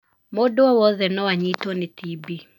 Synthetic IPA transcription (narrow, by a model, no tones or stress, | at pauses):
modoɔwɔðɛnɔwaɲitɔnɪt̪ibi